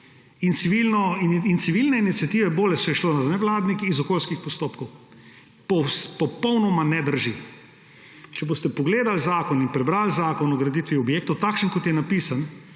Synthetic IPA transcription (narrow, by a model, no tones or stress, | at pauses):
int̪siʋilnɔint̪siʋilnɛinit̪sjat̪iʋɛboːlɛt͡ʃɛjɛʃloːnanɛʋlaːd̪nikizɔkoːlskixpɔst̪oːpkɔw | pospɔpɔwnɔmanɛd̪əɾʒi | t͡ʃɛboːst̪ɛpɔɡleːd̪alzaːkɔninpɾɛbɾaːlzaːkɔnɔɡɾɛd̪iːt̪ʋiɔbjeːk̚t̪ɔwt̪akʃənkɔt̪jɛnapiːsan